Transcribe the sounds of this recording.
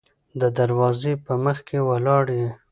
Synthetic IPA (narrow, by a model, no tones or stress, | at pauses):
d̪əd̪aɾwɑzepəməxkʰewalɑɽje